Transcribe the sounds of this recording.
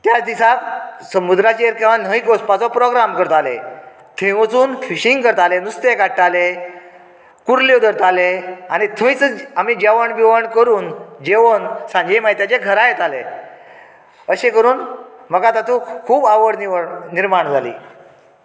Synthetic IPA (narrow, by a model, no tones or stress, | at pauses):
t̪jat͡sd̪isat̪səmud̪ɾat͡ɕeeɾkeʋanəikospat͡sɔpɾɔɡɾamkəɾt̪alḛ | t̪ʰəjʋət͡suːnfiɕiŋɡkəɾt̪alenust̪ekaʈʈale | kuɾled̪əɾt̪alea̰ñit̪ʰəĩt͡səamid͡ʑeʋəɳʋiʋəɳkəɾuːnd͡ʑeʋənsãɲd͡ʑemajt̪jat͡ɕeɡʱəɾajet̪ale | əɕekəɾuːnməkat̪at̪ʰũkʰuːbaʋəɽniniɾmaɳd͡zʱalḭː